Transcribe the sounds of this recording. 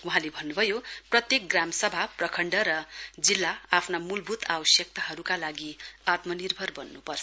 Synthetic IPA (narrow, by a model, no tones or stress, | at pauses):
wuɦãlebʱʌnːubʱʌjoprʌt̪jek̚ɡramsʌbʱaprʌkʰʌɳɖʌɾʌd͡zilːaapʰnamulbʱut̪awʌsjʌk̚t̪aɦʌɾukalaɡiat̪mʌnirbʱʌrbʌnːupʌrt͡sʰ